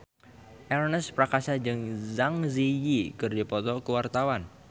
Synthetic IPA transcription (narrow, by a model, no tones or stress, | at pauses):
ʔɛɾɔnɛspɾakasad͡ʒɨŋzaŋzijikɨrdipɔt̪ɔkəwart̪awan